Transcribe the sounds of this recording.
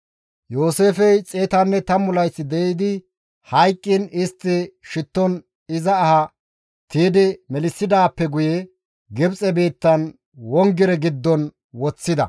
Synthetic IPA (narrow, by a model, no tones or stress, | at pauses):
joːse̞ːfɛjt͡sʼeːt̪ɐnːɛt̪ɐmʊlɐjsːɪd̪ɛɪd̪ɪ | hɐjkʼːɪnɪst̪ːɪʃɪt̪ːɔn | ɪzɐːhɐ | t̪iːd̪ɪmɛlɪsːɪd̪aːpːɛɡʊjɛ | ɡɪbt͡sʼɛbe̞ːt̪ːɐn | wɔŋɡɪɾɛɡɪd̪ːɔn | wɔt͡sːɪd̪ɐ̰